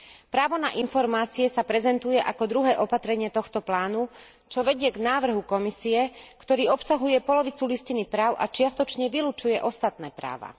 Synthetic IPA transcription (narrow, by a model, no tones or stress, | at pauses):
pɾaːʋɔnaʔinfɔɾmaːt͡siɛsapɾɛzɛnt̪ujɛʔakɔd̪ɾuɦɛːʔɔpat̪ɾɛɲɪɛt̪ɔxt̪ɔplaːnu | t͡ʃɔʋɛɟɪɛɡnaːʋr̩ɦukɔmisiɛkt̪ɔɾiːɔpsaɦujɛpɔlɔʋit͡suliscinipɾaːʊʔa̰t͡ʃɪast̪ɔt͡ʃɲɛʋilut͡ʃujɛʔɔst̪at̪nɛːpɾa̰ːʋa̰